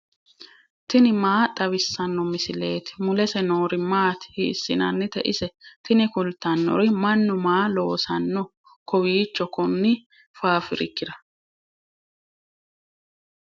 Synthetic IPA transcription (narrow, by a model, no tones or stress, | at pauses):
t̪ɪnɪmaːt̪ʼɐβɪsːɐnːɔmɪsɪle̞ːt̪ɪ̥mʊlɛsɛno̞ːɾɪmaːt̪ɪ̥hɪːsːɪnɐnːɪt̪ɛʔɪsɛt̪ɪnɪkʊlt̪ɐnːɔ̰ɾɪmɐnːʊmaːloːsɐnːɔ | kɔwiːt͡ʃːɔkɔnːɪ | faːfɪɾɪ̰kːɪd̪ɐ